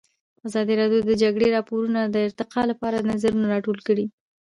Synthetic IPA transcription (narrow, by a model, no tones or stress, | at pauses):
azɑd̪iɾɑdjod̪əd͡ʒaɡɽeɾɑpoɾunad̪əɪɾt̪ɪqɑlapɑɾanazaɾunaɾɑʈolkəɽi